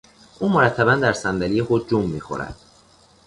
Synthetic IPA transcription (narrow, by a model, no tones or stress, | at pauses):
ʔuːmoɾæt̪ʰːæbænd̪æɾsænd̪ælijexod̪̚d͡ʒumːḭːxo̰ɾæ̰d̪̥